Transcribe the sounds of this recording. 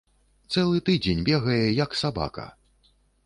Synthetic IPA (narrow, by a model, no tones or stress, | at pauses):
t̪sɛlˠɨt̪ɨd͡zʲenʲbʲɛɣɐjɛjɐksaba̰kɐ̰